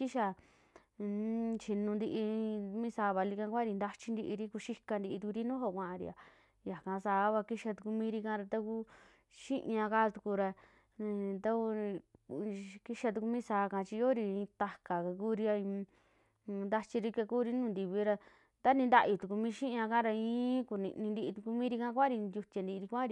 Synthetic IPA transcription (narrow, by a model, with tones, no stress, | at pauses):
i˦ʃa˧ | t͡ʃi˧nũ˧nd̪i˧ʔĩ˧mĩ˦saː˧˦βa˧li˧kã˧kʷa˦ɾi˧nd̪a˧t͡ʃi˧nd̪i˧ʔi˧ɾi˦ku˧ʃi˦ka˧nd̪i˧i˧t̪u˧ku˧ɾi˦nũː˦ɦo˦˧˨kʷã˧ʔa˧ɾḭ˧a˨ | ja˨kã˧saː˧˦βa˧ki˦ʃa˧t̪u˧ku˧mĩː˦ɾi˧kã˧ɾa˧t̪a˦ku˦ | ʃĩ˦ʔɲã˧ka˦˧t̪u˧ku˧ɾa˧ | t̪a˦u˧ | ki˦ʃa˧t̪u˧ku˧mĩː˦saː˨˧˦kã˧t͡ʃi˧jo˦ɾi˧ĩ˧t̪a˧ka˨ka˧ku˦ɾi˧a˧ĩ˧ | nd̪a˧t͡ʃi˧ɾi˧ka˧kuː˦ɾi˦nũ˦˨nd̪i˧βi˧˦ɾa˧ | t̪a˦nĩ˧nd̪a˦ʔi˧t̪u˨ku˧mĩː˦ʃĩ˦ʔã˧ka˦ɾa˧ĩː˦ku˧nḭ̃˧nĩ˧nd̪i˧ʔi˧t̪u˧ku˧mĩ˦ɾi˧kã˦˧kʷa˦ɾi˧nd̪ʲu˧t̪ʲa˧nd̪i˧ɾi˧kʷã˦ɾi˧